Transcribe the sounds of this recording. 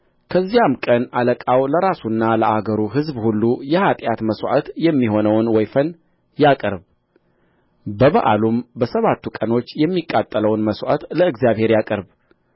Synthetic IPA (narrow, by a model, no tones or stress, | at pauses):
kʰəzːijamkʼənaləkʼawləɾasunːaləʔaɡəɾuɦɨzbhulːujɛhat̪ʼjat̪məswʔa̰t̪jɛmːiɦo̞nəwnwɔjfən | jakʼəɾb | bəβaʔa̰lumbəsəβat̪ʰːukʼəno̞t͡ʃːjɛmːikʼːat̪ʼːələwnməswʔa̰t̪ləɨɡzjaβhe̞ɾjakʼəɾb